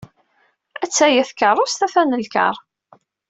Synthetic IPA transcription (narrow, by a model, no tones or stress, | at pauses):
æt͡sːæjæθkərˤʊst̪æθænəlkə̰ɾˤ